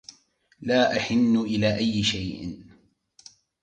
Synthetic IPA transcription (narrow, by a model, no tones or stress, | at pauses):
laːʔaħɪnːʊʔɪlaːʔajːɪʃajʔ